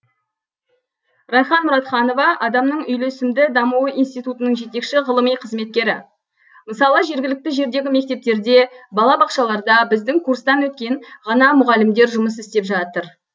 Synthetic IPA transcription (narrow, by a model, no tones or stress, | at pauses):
rɑjχɑnmʊɾɑt̪χɑno̞vɑʔɑd̪ɑmnəɴʏjle̞sɪmd̪ɪd̪ɑmuəinst̪it̪ut̪ənəɴʒe̞t̪e̞kʃɪʁəlˠəmijqʰəzme̞t̪̚kʲe̞ɾɪ | məsɑlˠəʒe̞ɾɡʲɪlɪk̚t̪ɪʒe̞ɾd̪e̞ɡʲɪme̞k̚t̪e̞p̚t̪e̞ɾd̪e̞bɑlˠɑbɑqʃɑlˠɑɾd̪ɑbɪzd̪ɪŋkʰuɾst̪ɑnwɵt̪̚kʲe̞ŋʁɑnɑmʊʁɑlɪmd̪e̞ɾʒʊməs̬ɪst̪e̞pʒɑt̪əɾ